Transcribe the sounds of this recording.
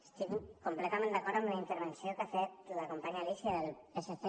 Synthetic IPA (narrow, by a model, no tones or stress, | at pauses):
st̪iɣukumplɛt̪amẽnd̪əkɔɾt̪əmləint̪əɾβənsiokafet̪ləkumpaɲalisiəðəlˠəsəθe